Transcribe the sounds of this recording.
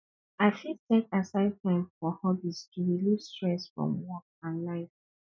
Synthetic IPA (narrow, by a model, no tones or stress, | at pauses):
aɪfidtɛkasaɪd̚θãfɔhɔbistʰuɹilivstɹɛsfɹɔ̰̃mwɔk̚ãnlaɪf